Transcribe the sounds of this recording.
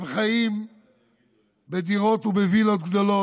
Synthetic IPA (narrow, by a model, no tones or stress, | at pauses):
bχajim | bed̪iʁot̪ubevilot̪ɡd̪olo